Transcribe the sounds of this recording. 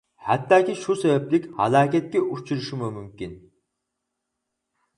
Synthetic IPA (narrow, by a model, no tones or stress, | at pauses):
hɛt̪ʰːaːkʲiʃusɛbɛplikʲhɑ̰lˠaːkʲɛt̪̚kʲɛʔut͡ʃʰuɾuʃumumymkʲin